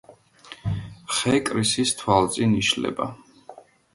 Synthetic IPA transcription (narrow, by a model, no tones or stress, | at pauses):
χɛkʼɾisist̪ʰwalˠt̪zʼiniʃlɛ̰ba̰